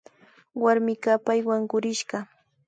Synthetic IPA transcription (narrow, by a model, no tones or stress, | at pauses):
waɾmɪkapajwaŋɢʊɾɪʃɢɑ